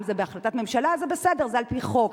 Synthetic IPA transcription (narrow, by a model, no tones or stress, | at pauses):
mzebeaχlat̪atme̞mʃalazebesede̞ʁzealpiχo̞k